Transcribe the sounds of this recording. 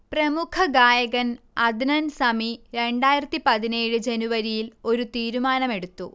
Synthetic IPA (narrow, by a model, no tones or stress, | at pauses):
prɐmukʰɐɡaːjɐɣɐn | ɐd̪ʱnɐnsɐmiɾe̞ɳɖaːjiɾɐt̪ːipɐðine̞ːɻɨd͡ʑe̞nuʋɐɾijilo̞ɾut̪iːɾumaːnɐme̞ɽut̪ːṵ